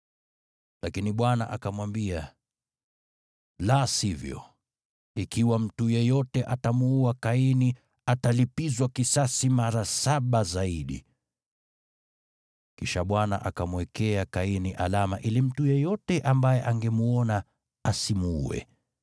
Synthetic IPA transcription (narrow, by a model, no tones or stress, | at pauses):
lakiniɓwana̰ʔakamwambia | lasivjɔ̰ | ikiwam̩tujɛjɔtɛʔatamuuakaini | atalipizwakisasimaɾasaɓazaiɗḭ | kiʃaɓwana̰ʔa̰kamwɛkɛakainiʔalama̰ʔilim̩tujɛjɔtɛʔambajɛʔaŋɡɛmuɔna | asimuṵɛ̰